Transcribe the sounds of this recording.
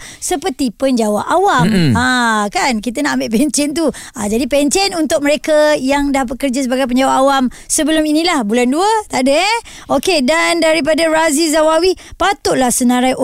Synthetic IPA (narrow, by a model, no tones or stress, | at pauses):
səpərt̪ipəɲd͡ʒawaʔawamakankit̪anaʔambeʔpɛɲt͡ʃɛnt̪̬u | ad͡ʒadipɛɲt͡ʃɛnunt̪ʊk̚məɾekajaŋdapat̪̚kərd͡ʒas̬əbaɡajp̬əɲd͡ʒawaʔawam | səbəlʊminĩlahbulanduət̪aʔdəɛ | ʔokedandaɾip̬adaɾazizawawipat̪ʊʔlahsənãɾaj